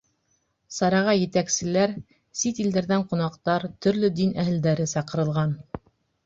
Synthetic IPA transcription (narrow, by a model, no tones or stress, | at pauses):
sɑɾɑʁɑjɘ̆t̪æksɘ̆læɾ | sit̪ild̪æɾðæɴqŭnɑqt̪ɑɾt̪ɵ̆ɾlɵd̪inæɦɘ̆ld̪æɾɘsɑqɤ̆ɾɤ̆lˠʁɑn